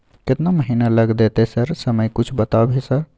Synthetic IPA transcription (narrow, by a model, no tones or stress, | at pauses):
ket̪naməɦinaləɡd̪et̪esəɾsəməjkut͡ʃʰbət̪abʱesəɾ